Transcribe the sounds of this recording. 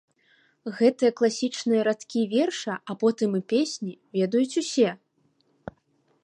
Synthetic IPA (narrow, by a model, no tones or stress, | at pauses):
ɣɛt̪ɨjɐklˠasʲit͡ʂnɨjɐɾat̪kʲivʲɛrʂɐʔapɔt̪ɨmɨpʲesʲnʲivʲɛd̪ɐjut͡sʲusʲɛ